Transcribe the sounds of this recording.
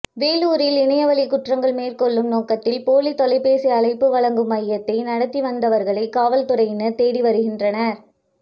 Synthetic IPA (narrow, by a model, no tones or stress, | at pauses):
ʋeːluːɾɪlɪɳɐjɐʋɐɭɪkʊʈrɐŋɡɐɭmeːɾkɔɭːɯmnoːkɐt̪ːɪlpoːlit̪ɔlɐɪpːeːsiɐɭɐɪpːɯʋɐɭɐŋɡɯmɐjɐt̪ːɐɪnɐɽɐt̪ːiʋɐnd̪ɐʋɐɾɣɐɭɐɪkːaːʋɐlt̪ʊrɐjɪnɐt̪eːɽiʋɐɾɯɣɪndrɐnɐɾ